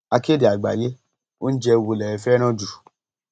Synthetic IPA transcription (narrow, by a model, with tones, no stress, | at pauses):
a˧ke˦di˨a˨ɡ͡ba̰˨je˦ | o˦n̩˦d͡ʒɛ˧wu˧lɛ˨ɛ˧fɛ˦ɾ̃ɔ̃˦d͡ʒu˨